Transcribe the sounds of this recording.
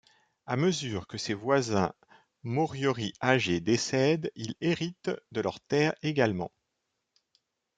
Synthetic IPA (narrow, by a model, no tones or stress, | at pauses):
aməzyʁkəsevwazɛ̃ | mɔʁjɔʁiaʒed̪esɛd̪ileʁit̪d̪əlœʁt̪ɛʁeɡalmɑ̰̃